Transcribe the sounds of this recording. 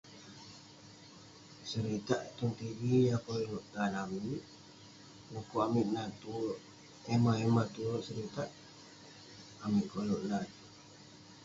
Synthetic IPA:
səɾit̪aʔt̪unt̪ibijakolluʔt̪anamiʔ̚ | nukuamiʔ̪nat̪uʔ | ɛmaɛmat̪uʔsəɾit̪aʔ | miʔkoluʔnat̪

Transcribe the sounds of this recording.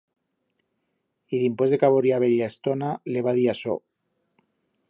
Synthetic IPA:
iðimpwezðekaβoɾiaβeʎaest̪onaleβ̞aðiaso̰

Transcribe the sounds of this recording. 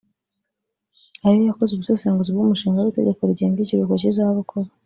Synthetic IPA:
aɾijojakozuβusesaːŋɡuzibɡumuʃiːŋɡawite̞̰ɟekoɾɟembiciɾukocizaβukʰoβa

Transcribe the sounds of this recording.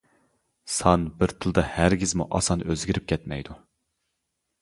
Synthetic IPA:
sɑnbɪɾt̪ʰɨlˠɨd̪ɑhæɾɡʲizmuʔɑsɑnøzɡʲiɾɪp̚kʲʰɛt̪mɛ̰jd̪u

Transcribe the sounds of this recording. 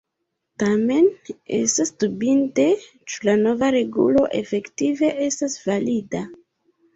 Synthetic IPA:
tame̞ne̞̰stasdubinte̞ | t͡ʃu̥lano̞vaɾe̞ɡṵlo̞ʔe̞fe̞ktive̞ʔe̞stasvalida

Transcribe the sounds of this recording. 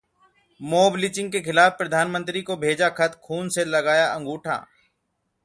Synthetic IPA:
moːblit͡ʃɪ̃ŋɡ̚kekɪlaːfpɾəd̪ʱaːnmə̃nt̪ɾikobʱeːd͡ʒakʰɐt̪kʰuːnselɐɡaːjaʔɐ̃ŋɡuːʈʰã̰ː

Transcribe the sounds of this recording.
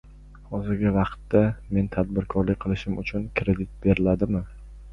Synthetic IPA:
hɒzɪɾɡʲɪvɑqt̪ːame̞nt̪ʰad̪bɪɾkʰɒɾlɪkʲqʰɨlˠɪʃɪmʊt͡ʃʰʊnkʲʰɾe̞d̪ɪt̪̚b̥e̞ɾɪlad̪ɪmɪ

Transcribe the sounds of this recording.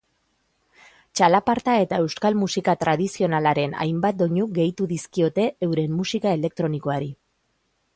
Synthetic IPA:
t͡ʃalapaɾt̪ae̞t̪ae̞wskalmusikat̪ɾað̞isio̞nalaɾe̞na̰jmbat̪̚d̪o̞ɲuɡe̞jt̪uðiskio̞t̪e̞ewɾe̞mːusikae̞le̞k̚t̪ɾo̞niko̞aɾi

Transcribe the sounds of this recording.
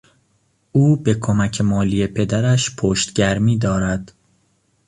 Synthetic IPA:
uːbe̞kʰomæcʰemɒːliːje̞pʰe̞d̪æɾæʃpʰoːʃt̪ɟæɾmiːd̪ɒːɾæd̪̥

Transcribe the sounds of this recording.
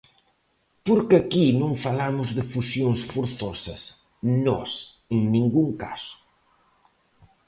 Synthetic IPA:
poɾkɪakinõŋfalamʊzðɪfusjoŋsfoɾθɔsɐs | nɔ̰s | eŋnĩŋɡuŋka̰sʊ̥

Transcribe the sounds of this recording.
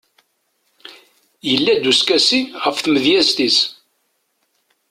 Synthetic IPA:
jəlːæd̪uskæsiʁəfθməðjæzt̪is

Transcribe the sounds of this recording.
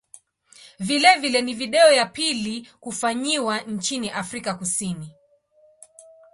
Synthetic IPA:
vilɛvilɛniviɗɛɔjapilikufaɲiwant͡ʃiniʔafɾikakusini

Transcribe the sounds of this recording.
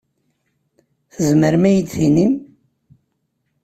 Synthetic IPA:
θəzməɾmæjəd̪θinim

